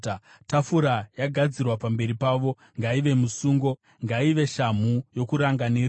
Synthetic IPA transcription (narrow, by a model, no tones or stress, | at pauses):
tafuɾajaɡʱad͡zirwapambe̞ɾipaːʋo̞ | ŋɡaiʋe̞musuːŋɡo̞ | ŋɡaiʋe̞ʃam̤ujo̞kuɾaŋɡanir